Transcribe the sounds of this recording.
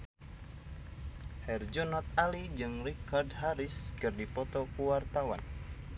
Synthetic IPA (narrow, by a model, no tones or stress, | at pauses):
hɛrd͡ʒɔnɔt̪alid͡ʒɨŋrikardhaɾɪskɨrdipɔt̪ɔkuwart̪awan